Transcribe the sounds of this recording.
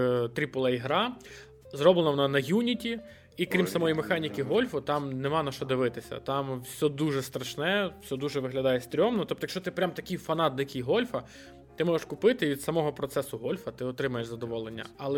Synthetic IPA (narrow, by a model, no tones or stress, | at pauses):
t̪ɾʲipʊlˠɐiɦɾɑ | zrɔblˠenɐʋɔnɐnɐjunʲitʲi | ikɾʲimsɐmɔjimexɑnʲikʲiɦɔlʲfʊt̪ɑmnemɑnɐʃt͡ʃɔd̪ɪʋɪt̪ɪsʲɐ̰t̪ɑmwsʲɔd̪uʒɛst̪ɾɐʃnɛwsʲɔd̪uʒɛʋɪɦlʲɐd̪ɑjɛst̪ɾʲɔmnɔt̪ɔp̚t̪ɔjkʃt͡ʃɔt̪ɪpɾʲamt̪ɐkʲijfɐnɑt̪̚d̪ɐjɐkʲijɦɔlʲfɐ | t̪ɪmɔʒɛʃkʊpɪt̪ɪʋʲid̪sɐmɔɦɔpɾɔt̪sɛsʊɦɔlʲfɐt̪ɪɔt̪ɾɪmɐjeʃzɐd̪ɔʋɔlˠenʲːɐ̰ɐlˠɛ